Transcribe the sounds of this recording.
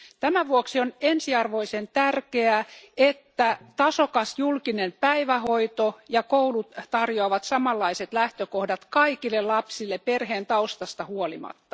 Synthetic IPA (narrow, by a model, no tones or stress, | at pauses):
t̪æmæʋuoksionensiɑrʋoisent̪ærkeæet̪ːæt̪ɑsokɑsjulkinempæiʋæhoit̪ojɑkoulut̪t̪ɑrjoɑʋɑt̪sɑmɑlːɑiset̪læht̪økohdɑt̪kɑikilːelɑpsilːepperheːnt̪ɑust̪ɑst̪ɑhuolḭmɑ̰t̪ːɑ̥